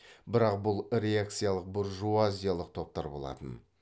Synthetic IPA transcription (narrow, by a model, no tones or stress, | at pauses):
bɪɾɑq̚bʊlˠɾe̞ak̚t̪sɨjalˠəq̚boɾʒuazʲijalˠəq̚t̪ʰo̞p̚t̪ɑɾbo̞̰lˠɑ̰t̪ə̰n